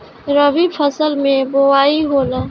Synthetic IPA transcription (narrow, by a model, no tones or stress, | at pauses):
ɾəʋipʰəsəlmẽboaːiɦoːla